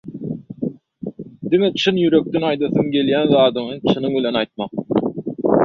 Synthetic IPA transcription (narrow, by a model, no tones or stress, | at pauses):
d̪ime̞t͡ʃʰɯnjyɾø̞k̚t̪enɑjd̪ɯθɯŋɡe̞ljænðɑːd̪ɯɴɯt͡ʃʰɯnɯŋbilʲe̞nɑjt̪̚mɑq